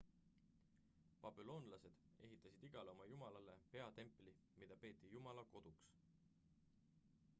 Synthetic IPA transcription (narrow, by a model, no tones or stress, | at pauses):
pɑb̥ilo̞ːnlɑse̞d̪̥e̞̰ɦit̪ːˑɑsid̪̥iɡ̥ɑleo̞mɑjumɑlɑle̞pe̞ɑt̪e̞mpˑli | mid̪̥ɑpe̞ːt̪ˑːijumɑlɑko̞d̪̥uks